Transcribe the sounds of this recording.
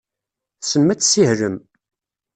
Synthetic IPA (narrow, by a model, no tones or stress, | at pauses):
θsəmːæt͡sːsihɾəm